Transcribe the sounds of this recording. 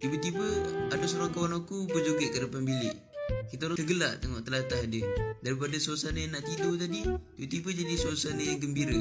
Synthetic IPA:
t̪ibət̪ibəadasuɾakawanakubəd͡ʒoɡəʔkədəpanbilɪʔ | kit̪aɾuəɡəlaʔt̪əŋɔʔt̪əlat̪aɦdədaɾip̬adasuasanəjaŋnaʔt̪idowt̪adit̪ibət̪ibəd͡ʒadisuasanəjaŋɡəmbiɾə

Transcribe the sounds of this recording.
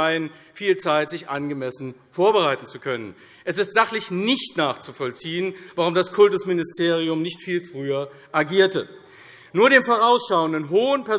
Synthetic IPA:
aɪən | fiːlt͡saɪtz̥ɪçʔanɡəmɛsn̩foːɐbəʁaɪtn̩t͡sukʰœnən | ʔɛsɪstz̥aχlɪçnɪçtnaːχt͡sufɔlt͡siːənvaʁ̞ʊmdaskʰʊltʊsmɪnɪstʰeːʁiʊmnɪçtfiːlfʁ̥yːɐ | ʔaɡiːɐtə | nuːɐɾeːmfoːʁaʊsʃaʊəndənɦoːənpɛɐ

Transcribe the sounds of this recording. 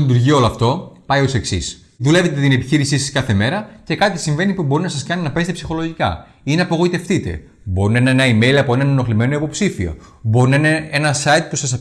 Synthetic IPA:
it̪uɾʝio̞loɐft̪o̞pɐjose̞ksis | ðule̞ve̞t̪et̪ine̞piçiɾisisɐskɐθe̞me̞ɾɐce̞kɐt̪isiɱve̞nipubo̞ɾinɐsɐskɐninɐpe̞set̪epsi̥xo̞lo̞ʝikɐ̰ | ineɐpo̞ɣo̞it̪e̞ft̪it̪e̞̰ | bo̞ɾinenenɐime̞jlɐpoenɐneno̞xlime̞no̞ipo̞psifio̞̰ | bo̞ɾinɐinee̞nɐsɐit̪̚pusɐsɐ

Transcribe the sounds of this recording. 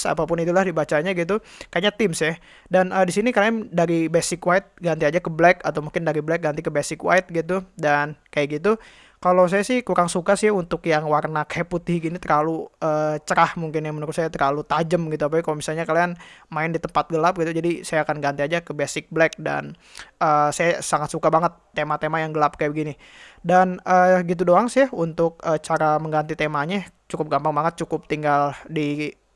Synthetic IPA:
sa̰papʊnit̪ulahdibat͡ʃaɲaɡit̪ukaɲat̪ɪmsɛh | danədisinikaliandaɾibesɪkwaɪt̪̚ɡant̪iad͡ʒakəblɛkat̪awmuŋkɪndaɾiblɛk̚ɡant̪ikəbesɪkwa̰ɪt̪̚ɡit̪udankajaʔɡit̪u | kalows̬ajasɪhkuɾaŋsukasiaunt̪ʊkjaŋwarnakjaput̪ɪhɡinit̪ərlaluət͡ʃəɾahmuŋkɪnjaŋmənuɾʊt̪sajat̪ərlalut̪ad͡ʒəmɡit̪uapapikalomisalɲakalianmaɪndit̪əmpat̪̚ɡəlap̚ɡit̪ud͡ʒadisajaːkanɡant̪iad͡ʒakəbesɪk̚blɛk̚da̰n | ʔəsajasaŋat̪sukabaŋət̪ːemat̪emajaŋɡəlap̚kajabəɡini | danəːɡit̪̬udoaŋsɪhunt̪ʊk̚ət͡ʃaɾaməŋɡant̪it̪emaɲa | t͡ʃukʊp̚ɡambaŋbaŋət̪̚t͡ʃukʊp̚t̪iŋɡaldi

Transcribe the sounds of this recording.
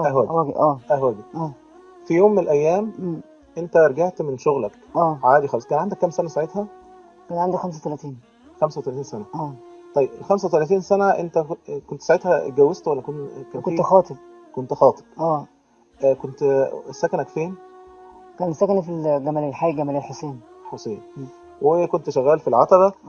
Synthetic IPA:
ʔːæhwæːɡwæɡ̰ʔæːʔæhwæːɡiʔæː | fijoːmːenelʔæjːæːmː | ʔent̪æɾˤɡaʕt̪menʃoɣlæk | ʔæːʕaːd̪ixɑlːɑskæːnʕand̪ækːæmsænæsaʕet̪hæ | kæːnʕand̪ixæmsæwt̪ælæt̪iːn | xæmsæwet̪ælæt̪iːnsænæʔæːt̪ˤɑjebxæmsæwt̪ælæt̪iːnsænæʔent̪ækont̪saʕet̪hæɡæwːest̪wælːækonkækont̪xɑːt̪ˤeb | kont̪xɑːt̪ˤe̥b̥ʔæː | ʔkont̪sːækænækfeːn | kæːnesːækænæfilɡæmælelħaːjiɡæmælelħoseːnħoseːn | wekont̪ʃæɣːæːlfilʕɑt̪ˤɑbæ

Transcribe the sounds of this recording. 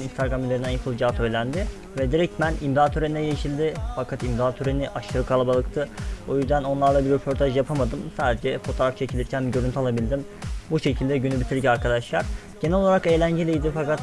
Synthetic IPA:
ninst̪ʰaɾɡamylʲeɾind̪ænjapʰɯlˠd͡ʒat̪ʰø̞jlʲænd̪ɪ | vɛd̪iɾɛc̚mænimd̪at̪ʰøɾennɛjeiʃilʲd̪ɪfakʰat̪imd̪aat̪ʰøɾeniʔaʃɯɾɯkʰalˠabalˠɯkt̪ʰɯo̞jyzd̪æno̞nlˠaɾlˠabiɾepʰo̞ɾt̪ʰaʒjapʰamad̪ɯmsaːd̪ed͡ʒɛfo̞t̪ʰoɾaft͡ʃʰecʰilʲd̪ʲiɾcʰænbiɟøɾynt̪ʰalˠabilʲd̪im | buʃe̞cʰilʲd̪ɛɟynybit̪ʰiɾʲcaɾkʰad̪aʃlˠaɾ̥ | ɟ̥enɛlolˠaɾake̞jlʲæɲɟelʲejd̪ifakat̪

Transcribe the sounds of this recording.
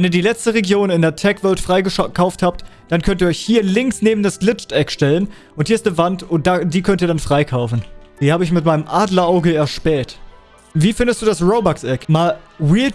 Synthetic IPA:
vɛniːɐdiːlɛt͡stəʁeɡjoːnɪndeːɐtʰɛkv̥œltfʁ̥aɪɡəkʰaʊfthaːp̚t | d̥ankʰœnt̬iːɐɔʏçhiːɐlɪŋksneːbm̩dasɡ̥lɪt͡ʃtʔɛkʃtɛlən | ʔʊnthiːɐɪstnəvantʊnt̚d̥aːd̥iːkʰœntiːɐdanfʁ̥aɪkʰaʊfn̩d̥iːhaːbəɪçmɪtmaɪnəmʔaːdl̩aʊɡəɛɐʃpɛːt | viːfɪndəstd̥uːdasʁoʊbaksʔɛkmaːlwiːlt

